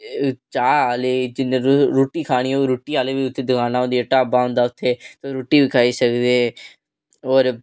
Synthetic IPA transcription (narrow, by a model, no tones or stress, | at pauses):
t͡ʃaːaːleːd͡ʒɪnːẽːɾoːʈiːkʰaːɽ̃iːoɾuːʈːiːaːleːʋiːʊt̪ʰːeːd̪ʊkʰaːnaːõːnd̪iaːʈaːbaːɦõnd̪aːʊt̪ʰːeːt̪oɾoːʈːiːbiːkʰaːiːsəkd̪eː | oːɾ